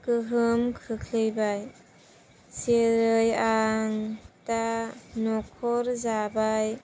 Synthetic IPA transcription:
kɯɦɯmkʰɯkʰlɯjbaj | seɾɯjaŋtanɔkʰɔɾzabaj

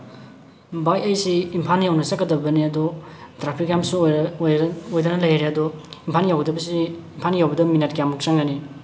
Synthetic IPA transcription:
bajɐjsiːmpʰanjawnɐsakːɐdɐbɐniɐdɔtɾapʰikjamsujojdɐnɐlɐjɾeɐdɔimpʰanjawɡdɐbɐsiːmpʰanjawbɐdɐminet̚ɡjamuk̚t͡ʃaŋɡɐni

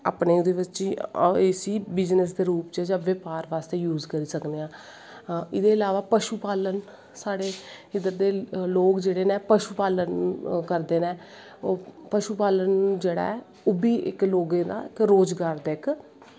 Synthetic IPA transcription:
a̰ːpneːd̪eːʋətːt͡ʃiːeːsiːbɪd͡ʒnəsd̪eːɾuːpt͡ʃːd͡ʒãːʋepaːɾʋaːst̪eːjuːzkəɾiːsəkneːãː | ɪd̪eːɪlaːʋaːpəʃuːpaːlən | saːɽeː | ɪd̪əɾd̪eːloːkd͡ʒeːɽeːnẽːpəʃuːpaːlənkəɾd̪eːnẽː | oːpəʃuːpaːlənd͡ʒeːɽa̰ːɛ | oːbiːʔɪ̰kloːɡẽːd̪a̰ːɪkɾoːd͡ʒɡaːɾd̪eːk

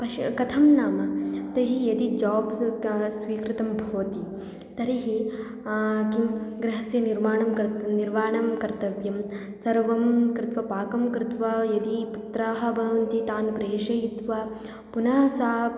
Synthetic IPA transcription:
pɐʃkɐt̪ʰɐmnaːmɐt̪ɐɦijɐd̪id͡ʒaːbsʋiːkɾɪt̪ɐmbʱɐʋɐt̪i | t̪ɐɾiɦi | kimɡɾɐɦɐsjɐniɾmaːɳɐmkɐniɾʋaːɳɐmkɐɾt̪ɐʋjɐm | sɐɾʋɐmkɾɪt̪ʋɐpaːkɐmkɾɪt̪ʋɐjɐd̪iput̪ɾaːɦɐ̆bʱɐʋɐnt̪it̪aːnpɾeːʃɐɦit̪ʋa | punɐːsaː

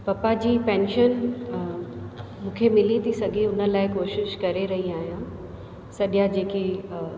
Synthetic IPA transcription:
pɐpad͡ʑiːpɛ̃ːnʃən | mũːkʰemɪlit̪ʰisɐɡʱeʊnə̆laːɪkoːʃɪʃkɐɾeɾɐɦiaːɦijã | sɐɗjad͡ʑeːki

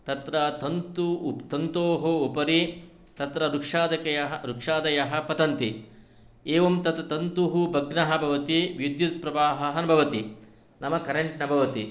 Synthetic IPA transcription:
t̪ɐt̪ɾɐt̪ɐnt̪ut̪ɐnt̪oːɦoupɐɾi | t̪ɐt̪ɾɐɾukʂaːd̪ɐkɐjɐɦɐɾukʂaːd̪ɐjɐɦɐ̆pɐt̪ɐnt̪i | eːʋɐmt̪ɐt̪ɐt̪ɐnt̪uɦubʱɐɡnɐɦɐ̆bʱɐʋɐt̪iʋjid̪jut̪̚pɾɐʋaːɦɐɦɐnɐbʱɐʋɐt̪i | nɐmɐkɐɾeɳʈnɐbʱɐʋɐt̪i

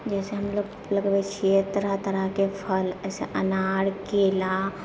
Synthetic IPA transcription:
d͡ʒɛːseɦɐmloɡ | ləɡbekʃʰeːt̪ɾat̪əɾəɦkepʰəlɛːseʔɐnaːɽkeːla

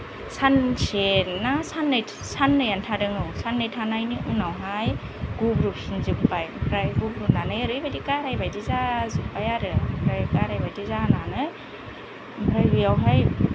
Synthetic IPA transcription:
sansenːasanːɯj | sanːɯjantʰadɯŋɯwsanːɯjtʰanajniʔunawɦajɡ̥ubɾusinzɯk̚pajpʰɾajɡubɾunanɯjaɾɯjbadikaɾajbajdizazuk̚pajaɾɯpʰɾajkaɾajbajdizananɯ | mbʰɾajbijawɦaj

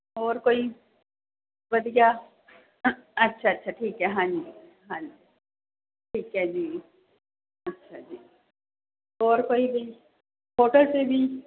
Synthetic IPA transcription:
ɔːɾkoːi | bɐd̪ija | ɐtːʃʰaɐtːʃʰaʈʰiːkɦɛɦãːd͡ʒi | ɦãːd͡ʒi | ʈʰiːkɦɛd͡ʒiː | ɐtːʃʰad͡ʒiː | ɔːɾkoːibʱi | poːʈəlsebʱi

